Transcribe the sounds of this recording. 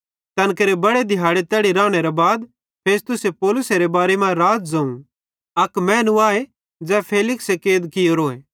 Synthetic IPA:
t̪ɐnkɐɾebɐɽed̪ʱɪjaːɽet̪ɛːɽiɾãːɽ̃eɾabaːd̪ | pʰeːst̪ʊsepɔːlʊseɾebaːɾemãɾaːt̪zɐ̃ũ | ɐkmɛ̃ːnũaːe | d͡zɛːpʰeːlɪksekeːd̪kɪjoɾoːeː

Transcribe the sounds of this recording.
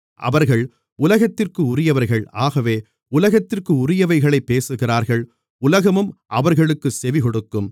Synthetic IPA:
ʔɐ̰ʋɐɾɣɐɭ | ʊlɐɣɐt̪ːɪrkɯʊɾɪjɐʋɐɾɣɐɭaːɣɐʋeː | ʊlɐɣɐt̪ːɪrkɯʊɾɪjɐʋɐɪɣɐɭɐɪpːeːsɯɣɪraːɾɣɐɭ | ʊlɐɣɐmɯmʔɐʋɐɾɣɐɭɯkːɯsɛʋɪkɔɽɯkːɯm

